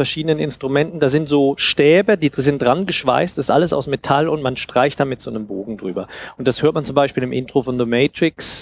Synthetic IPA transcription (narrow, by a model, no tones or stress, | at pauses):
fɛɐʃiːdənənɪ̰nstʁ̥umɛntn̩d̥aːzɪntz̥oːʃtɛːbɐdiːzɪntd̥ʁanɡəʃv̥a̰ɪstd̥asɪ̥stʔaləsa̰ʊsmetʰalʊntmanʃtʁ̥aɪçtd̥aːmɪtz̥oːnəmboːɡŋ̩dʁyːbɐʔʊnt̚d̥ashøːɐt̚mant͡sʊmbaɪʃpiːlɪmʔɪntʁ̥ofɔnðomɛːtʁ̥ɪks